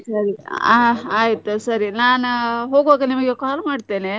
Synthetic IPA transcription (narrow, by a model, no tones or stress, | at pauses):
sɐɾiaaːjit̪usɐɾinaːnuɦoːɡoːɡɐnimɐɡekaːlmaːɽt̪e̞ːne